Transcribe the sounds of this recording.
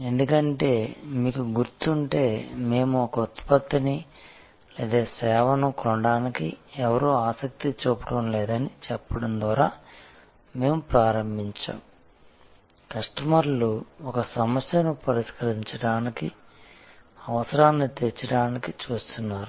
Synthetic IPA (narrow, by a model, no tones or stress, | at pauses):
end̪ukɐɳʈe̞ːmiːkuɡuɾt̪uɳʈe̞ːme̞ːmuɔkɐut̪ːpɐt̪ːɐni | leːd̪eːsɛːʋɐnɐkɔɳɖaːnikiɛʋɐɾuːaːsɐk̚t̪it͡ʃuːpɐɽɐmlɛːd̪ɐnit͡ʃɛpːɐɽɐnd̪ʋaːɾaː | me̞ːmupɾaːɾɐmbʱiɲt͡ʃa̰ːm | kɐʂʈɐmɐɾluɔkɐsɐmɐsjɐnupɐɾiʂkɐɾiɲt͡ʃɐɽaːniki | ɐʋɐsɐɾaːnːit̪et͡ʃːɐɽaːnikit͡ʃuːst̪unːaːɾu